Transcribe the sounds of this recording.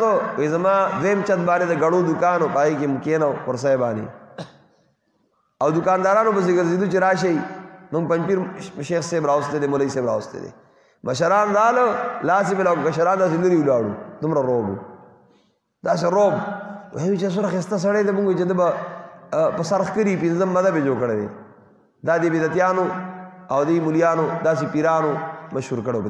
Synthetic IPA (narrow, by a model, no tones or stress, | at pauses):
owezɐmaːd̪emt͡ʃɐt̪̚baːnid̪ɐɡɐɽoːd̪ukaːnopaːɣikemukeːnawkʊɾs̬ɐjbaːnḭ | awd̪ukaːnd̪aːɾaːnobɐs̬iɡɐɾzid̪ut͡ʃiɾaːʃ̬ɐiməŋɡpɐmpiɾʃeːxseːbɾaːwust̪ed̪emolɐiseːbɾa̰ːwst̪ḛd̪ḛ | mʔɐʃ̬ɐɾaːnd̪aːlolaːsibelaːkukɐʃɐɾaːnd̪aːs̬elɐɾiulaːɽṵd̪umɾaɾoːbṵ | d̪aːs̬eɾoːbwenut͡ʃes̬uɾaxist̪as̬ɐɽejd̪emuŋɡot͡ʃed̪əbɐ | pɐsɐɾxkəɾipinzɐmːɐd̪ɐbed͡ʒoːkɐɽed̪ḛ | d̪aːd̪ebid̪ɐt̪ijaːnoawd̪ɐimuljaːnod̪aːs̬epiɾaːnomɐʃhuɾkɐɽewb